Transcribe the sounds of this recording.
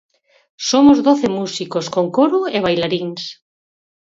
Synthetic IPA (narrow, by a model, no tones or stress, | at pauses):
somozðoθemusikoskoŋkoɾueβ̞ajlaɾiŋs